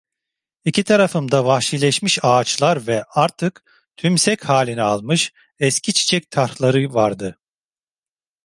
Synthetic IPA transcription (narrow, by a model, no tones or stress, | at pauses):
icit̪ʰaɾafɯmd̪avahʃilʲɛʃmiʃaːt͡ʃlˠaɾvɛaɾt̪ʰɯk | t̪ʰymsɛchaːlʲinɛalˠmɯʃ | ɛscʰit͡ʃʰi̥t͡ʃʰɛc̚t̪ʰaɾhlˠaɾɯvaɾd̪ɯ